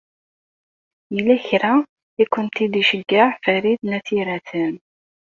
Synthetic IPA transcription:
jəlːæçɾa | ikʷːʊnt̪id̪iʃəɡaʕfæɾiθnæθiɾæθən

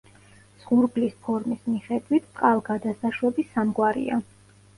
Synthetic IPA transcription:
z̥ʁuɾɡlispʰɔɾmismiχɛd̪wit̪ʰqʼalˠɡad̪asaʃwɛbisamɡwaɾḭa̰

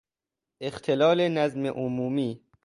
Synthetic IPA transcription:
ʔext̪ʰelɒːlenæzmeʔomuːmiː

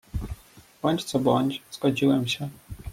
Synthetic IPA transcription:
b̥ɔɲʲt͡ɕt̪sɔbɔnʲt͡ɕz̥ɡɔd͡ʑiwɛmɕɛ

